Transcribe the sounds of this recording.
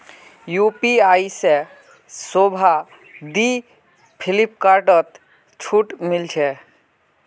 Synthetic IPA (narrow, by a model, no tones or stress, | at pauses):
jupiajse | sobʱa | d̪i | pʰilipkaɾʈɔt̪ | t͡ʃʰuʈmilt͡ʃʰɛ